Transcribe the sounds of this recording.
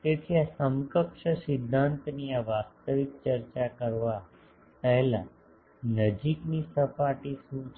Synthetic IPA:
t̪et̪ʰiasəmkəkʃəsɪd̪ʱːãnt̪niaʋast̪əʋik̚t͡ʃəɾt͡ʃakəɾʋa | pəɦɛlã̰ | nəd͡ʒiknisəpaʈisũt͡ʃ

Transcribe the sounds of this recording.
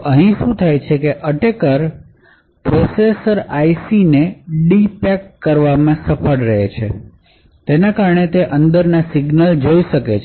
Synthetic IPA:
ʔəɦĩʃũt̪ʰajt͡ʃʰekeʔəʈekəɾ | pɾosesəɾajsineɖipɛkkːəɾʋamãsəpʰəɽɾəɦet͡ʃʰḛ | t̪enakaɾəɳet̪eʔənd̪əɾnasiɡnəld͡ʒoiʃəket͡ʃʰ

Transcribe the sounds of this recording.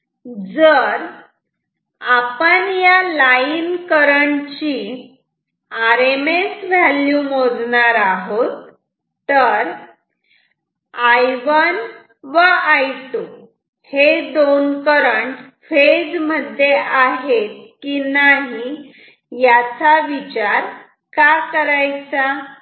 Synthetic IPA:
d͡zəɾ | apəɳjalainkəɾəɳt͡ɕiː | aɾemesʋaljumod͡zɳaɾaɦot̪ː | əɾ | ajʋən | ʋəajʈu | hed̪onkəɾəɳ | fed͡zməd̪ʱjeʔaɦet̪̚kinaɦi | jat͡saʋit͡ɕaɾ | kakəɾajt͡sa

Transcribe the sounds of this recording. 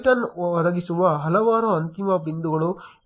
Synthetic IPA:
ʈɐnɐɾɐɡisuʋɐɦɐlɐʋaːɾuɐnt̪imɐbind̪uɡɐɭu

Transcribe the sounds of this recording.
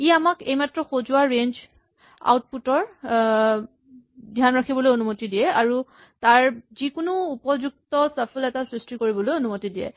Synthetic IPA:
iamakejmatɹɔxozʊaɹend͡ʒ | a̰wt̚putɔɹ | dʱjanɹakʰibɔlojonumotidijɛaɹu | taɹzikʊnuupɔzuk̚tɔsapʰəlɛtasɹistikoɹibɔlojonumotidiɛ̰

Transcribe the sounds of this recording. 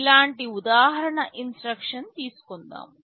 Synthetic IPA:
laːɳʈiud̪aːɦɐɾɐɳɐʔinsʈɾɐkʂɐnt̪iːsu̥kond̪a̰ːm

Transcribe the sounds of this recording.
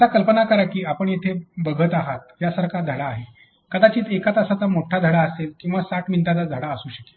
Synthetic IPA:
t̪akəlpənakəɾakiːapəɳjet̪ʰebəɡʱət̪aɦat̪̚jasaɾkad̪ʱəɽaːɦe | kəd̪at͡ɕiːt̪ekat̪əsat̪amoʈʰad̪ʱəɽaəselkĩw̃ʋasaʈmint̪alad͡zʱəɽaəsuːɕəke̥

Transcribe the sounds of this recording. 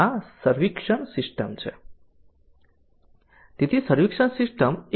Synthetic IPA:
asəɾʋikʂəɳsisʈəmt͡ʃʰe | t̪it̪ʰisəɾʋikʂəɳsisʈəm

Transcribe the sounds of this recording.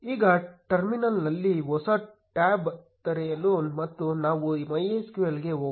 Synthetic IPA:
iːɡɐʈɐɾminɐlnɐlːiɦɔsɐ | ʈaːbt̪ɐɾɛjɐlunmɐt̪ːunaːʋuimɐjeskujɐlɡe̞oː

